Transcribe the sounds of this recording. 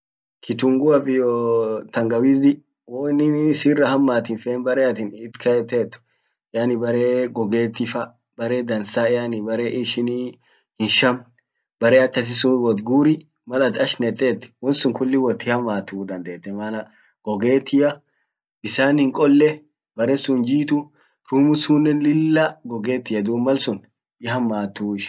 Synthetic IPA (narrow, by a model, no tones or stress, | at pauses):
kɪt̪ʊŋɡʊɐfɪjɔt̪ɐŋɡɐwiːzɪ | wɔnɪsiːrɐhɐmːaːt̪ɪnfeːnbɐɾeːɐt̪ɪnɪt̪kʰɐjɛt̪ːeːt̪ːʊ̥ | jaːnɪbɐɾeːɡɔɡeːt̪ːɪfɐ | bɐɾe̞ːd̪ɐnsaːɪjanɪbɐɾeːʔɪʃɪni | hɪnʃɐm | bɐɾeːɐkːɐs̬ɪsʊwɔd̪ɡuːɾɪ | mɐlɐt̪ɐʃnɛt̪ʼːeːt̪ːɪ̥wɔnsʊŋkʊlːɪwɔt̪ːɪhɐmaːt̪uːd̪ɐnd̪eːt̪ːɛmɐnɐ | ɡ̥ɔɡe̞ːt̪ɪjɐ | bɪsaːnhɪŋkʼɔlːɛ | bɐɾɛsʊnd͡ʒiːt̪ʊ | ɾuːmʊsuːnːɛlɪlːɐɡɔɡeːt̪ːɪjɐd̪uːmɐlsʊn | ɪɦɐmːaːt̪uːɪʃ